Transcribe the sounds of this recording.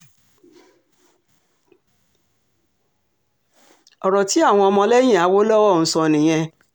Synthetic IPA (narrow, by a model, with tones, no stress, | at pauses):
ɔ˨ɾɔ˨ti˨˦a˦˨w̃ɔ̃˧ɔ˧mɔ̃˧lɛ˦j̃ĩ˦˨a˨˦wo˦lɔ˦wɔ˦˨ñ̩˨˧sɔ̃˧˨nĩ˨j̃ɛ̃˧